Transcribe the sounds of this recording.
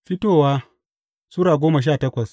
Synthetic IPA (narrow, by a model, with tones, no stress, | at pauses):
ɸɪ˦toː˦˨waː˦ | su˦ɽaː˨ɡʷoː˦mɐ˨ʃ̬aː˦˨tɐ˦kʷɐ˨s